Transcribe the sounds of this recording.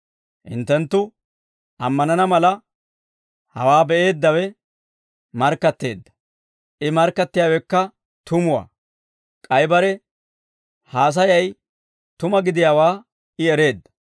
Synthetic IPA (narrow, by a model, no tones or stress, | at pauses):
ʔɪ̰nt̪ːɛnt̪ːʊ | ɐmːɐnɐnɐmɐlɐ | hɐ̰waːbɛʔe̞ːd̪ːɐwɛ | mɐɾkːɐt̪ːe̞̰ːd̪ːɐ̥ | ʔɪmɐɾkːɐt̪ːɪjaːwɛkːɐ | t̪ʰʊmʊwa̰ː | kʼɐjbɐɾɛ | haːs̬ɐjɐj | t̪ʊmɐɡɪd̪ɪjaːwaː | ɪɛɾe̞ːd̪ːɐ̥